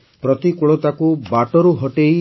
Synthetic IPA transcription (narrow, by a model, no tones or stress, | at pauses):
pɾɔt̪ikuɭot̪akubaʈɔɾuɦɔʈej